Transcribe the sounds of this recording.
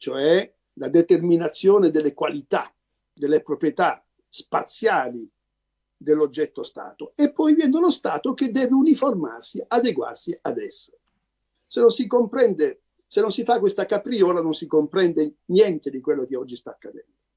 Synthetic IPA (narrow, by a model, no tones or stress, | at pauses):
t͡ʃoɛ | lad̪et̪erminat̪sːjoːned̪elːekwalit̪a̰ | d̪elːepɾopɾijet̪a | spat̪sːjaːli | d̪elːod͡ʒːɛt̪ːost̪a̰ːt̪oepːɔjvjɛnd̪elost̪aːt̪oked̪ːɛːveuniforma̰rsiad̪eɡwa̰rsiad̪ɛ̰sːe | senːonsikompɾɛnd̪e | senonsifakːwest̪akapɾiɔːlanonsikompɾɛnd̪enjɛnt̪ed̪ikwelːokeɔd͡ʒːist̪aːkːad̪ɛ̰nd̪o